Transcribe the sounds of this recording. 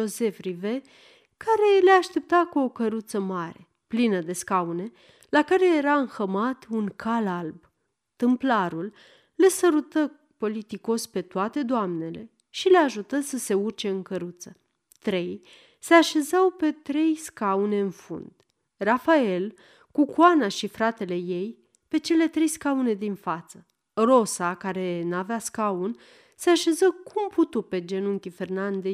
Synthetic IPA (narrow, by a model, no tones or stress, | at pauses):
o̞se̞fɾive̞ | kaɾe̞leaʃt̪e̞p̚t̪akuo̞kəɾut̪səmaɾe̞ | plinəd̪e̞skaune̞ | lakaɾe̞je̞ɾaɨŋxəmat̪unkʰalalb | t̪ɨmplaɾulː | e̞səɾut̪ə | po̞lit̪iko̞spe̞t̪oat̪ed̪oamne̞le̞̰ | ʃile̞aʒut̪əsəse̞urt͡ʃe̞ɨŋkəɾut̪sə | t̪ɾe̞j | se̞aʃe̞zawpe̞t̪ɾe̞jskaune̞ɨnfṵnd̪̥ | rafae̞l | kukwanaʃifɾat̪e̞le̞je̞j | pe̞t͡ʃe̞le̞t̪ɾe̞jskaune̞d̪infat̪sə | ro̞sakaɾe̞naveaskaun | se̞aʃe̞zəkʰumput̪upe̞d͡ʒe̞nuŋkʲife̞rnand̪e